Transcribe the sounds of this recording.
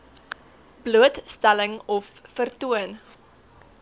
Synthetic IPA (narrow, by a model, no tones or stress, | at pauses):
bluətstæləŋɔfːərtuən